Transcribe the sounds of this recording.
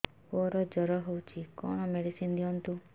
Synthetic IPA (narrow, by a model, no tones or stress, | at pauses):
oɾɔd͡ʒɔɾɔɦewt͡ʃʰikɔ̰ɽ̃ɔmeɽisind̪iɔnt̪u